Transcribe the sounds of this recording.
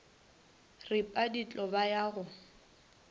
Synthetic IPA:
rɪpʼadit͡ɬʼɔbajaːɣʊ

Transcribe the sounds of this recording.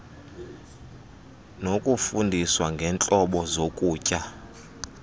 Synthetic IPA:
nokʼufundʱiswaŋɡʱɛnt͡ɬʼɔɓɔzokʼuːcʼa

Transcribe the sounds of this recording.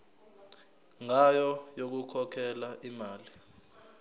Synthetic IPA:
ŋajɔjok̬ukʰɔkʰɛlaʔimaːli

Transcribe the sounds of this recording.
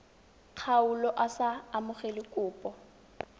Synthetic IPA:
q͡χʰaʊlɔʔasaːmʊχelɪkʼʊːpʼɔ

